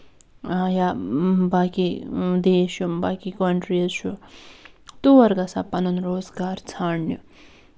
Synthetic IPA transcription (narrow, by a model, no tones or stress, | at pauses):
jabaːkid̪eːʃumbaːkikɐɳʈɾiɐt͡ʃʰu | t̪uʋɐɾɡɐsa̰pɐnɐnɾoːzɡaːɾt͡sʰaːɳnju